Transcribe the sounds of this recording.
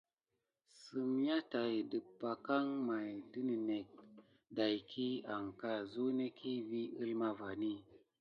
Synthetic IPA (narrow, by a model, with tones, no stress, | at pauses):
sɨ˨mja˦ta˨jdə˨pːa˨ka˦ŋma˨jdi˦ni˨ne˨k̚ | da˨jkʰi˦a˨ŋka˦zu˦ne˦kʰi˦vi˦i˦lma˦va˨ni˦˨